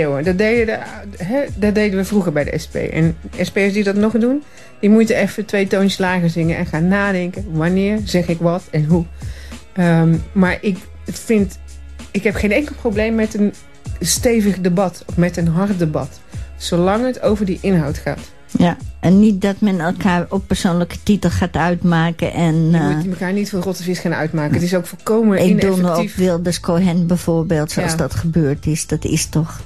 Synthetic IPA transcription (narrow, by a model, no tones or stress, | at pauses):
wədɔdejdədɦɛdɔdejdəʋəvruχəɹbɛjdə̰ɛ̰spḛjʔɛ̰nɛspejəsdidɔtnɔχdun | d̥imutənɛfətʋejtownslaːɣəɹsɪŋənʔɛ̰nχaːnːaːdɛŋkəʋanɪːɹzɛχɪkʋɑtɛnɦu | əmaːɹʔɪk | tfɪnt | ɪkɦɛpχejnɛŋkəl̩ˠprowblejmːɛtən | stejvəχdəbɑtɔfmɛtənɦɑrt̚dəbɑ̰t | sowlɑŋətowvəɹdiʔɪnɦɑwtχa̰ːt | jaʔɛnːit̚dɔtmɛnɛlˠkʰaːɹɔppːəɹsoːnləkə̥titəl̩ˠχaːtœɥtmaːkə̰ʔɛnməkaːɹnitfɪlˠrɔtəvɪsxaːnœ̰ɥtmaːkəətɪsowkfolˠkowmənɪɡnduəɔpʋɪlˠdəskʰoːɦɛnbɛjv̥oːɹbeːlˠtsoɑsdɔtχəbøːɹtɪsdɔtɪ̰stɔχ